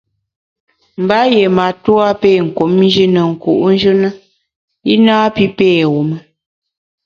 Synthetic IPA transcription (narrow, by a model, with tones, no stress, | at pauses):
m̩˨ba˦je˨ma˨twa˦pe˦˨ŋ̩˨ko˨˦mn˦d͡ʒi˦nə˨ŋ̩˨kṵ˨ʔn̩˦d͡ʒɨ˦nə˦ | i˦naː˦pi˦peː˦˨wo˨mə˦